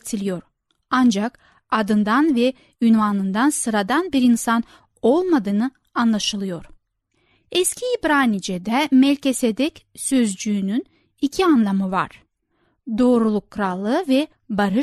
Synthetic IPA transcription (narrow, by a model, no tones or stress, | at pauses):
t̪ʰilʲijo̞ɾ | and͡ʒak | ad̪ɯnd̪anvɛ | ynvanɯnd̪ansɯɾad̪anbiɾinsan | o̞lˠmad̪ɯːnɯ | anlˠaʃɯlˠɯjo̞ɾ̥ | ɛscʰiibɾaːnid͡ʒed̪ɛmɛlʲce̞sed̪ɛcsøzd͡ʒyːnyn | icʰianlˠamɯva̰ɾ̥ | d̪o̞ːɾulˠukʰːɾalˠːɯvɛ | baɾɯ